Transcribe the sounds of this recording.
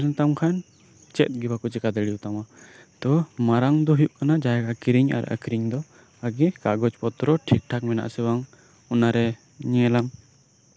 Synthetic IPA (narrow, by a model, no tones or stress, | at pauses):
ɾɛnt̪amkʰan | t͡ʃɛt̪̚ɡibakut͡ʃɛkad̪ɛɽijut̪amat̪ɔmaɾaŋd̪ɔɦujuʔkanad͡ʒaɛkakiɾiɲa̰ɾa̰kiɾiɲd̪ɔ | aɡɛkaɡɔt͡ʃpɔt̪ɾɔʈʰik̚ʈʰakmɛna̰ʔsɛwaŋ | ɔnaɾɛ | ɲɛlam